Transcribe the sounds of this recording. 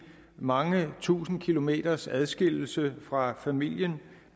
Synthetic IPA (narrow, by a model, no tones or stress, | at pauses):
mɑ̈ŋət͡sʰṵːsn̩kʰilo̝me̝̰ːd̥ɐsæð̞ˠsɡ̥el̰l̩səfʁɑ̈fæmil̰jən